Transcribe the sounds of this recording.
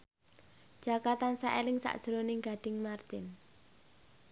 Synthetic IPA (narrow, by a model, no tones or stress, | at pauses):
d̥ʒ̥a̤kat̪ansa̰ʔelɪŋsa̰ʔd̥ʒ̥ɾonɪŋɡ̥a̤ɖ̪̥ɪ̤ŋmart̪ɪn